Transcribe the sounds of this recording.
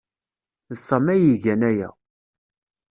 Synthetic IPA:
ðsˤəmæjiʝænæjæ̰

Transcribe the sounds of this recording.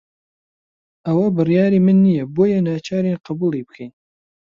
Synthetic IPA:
ɐwɐbɨrjaːɾimɨnːijɐboːjɐnaːt͡ʃʰaːɾinqɑbulˠibɨkʰɛjn

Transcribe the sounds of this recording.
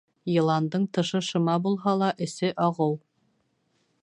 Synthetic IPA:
jɤ̆lˠɑnd̪ɤɴt̪ɤ̆ʃɤ̆ʃɤ̆mɑbulˠɦɑlˠɑʔɘ̆sɘʔɑʁɤw

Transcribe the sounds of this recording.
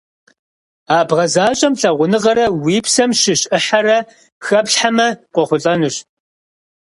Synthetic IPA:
aːbʁɐzaːɕʼɐmɬɐʁʷʊnɨʁɐɾɐwiːpsɐmʃɪɕʼɨħarɐ | xɐpɬħamɐqʷɔχʷʊɬʼɐnɨɕ

